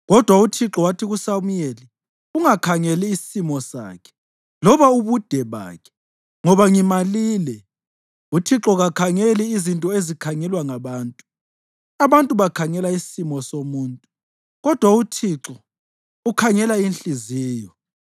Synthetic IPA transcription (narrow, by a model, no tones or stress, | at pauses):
ɣɔd̥ʱwautʰiǁɔwatʰiɣusamujeli | uŋakʰaŋɛliːsi̥simɔsa̰ːkʰɛ̥ | lɔβauβud̥ʱɛβa̰ːkʰɛ̥ | ŋɔβaŋimaliːlɛ | utʰiǁɔɣakʰaŋeliːzintʼɔezikʰaŋɛlwaŋaβaːntʼu | aβantʼuβakʰaŋɛlaisisimɔsomuːntʼu | ɣɔd̥ʱwautʰiǁɔ | ukʰaŋɛlainɬiziːjɔ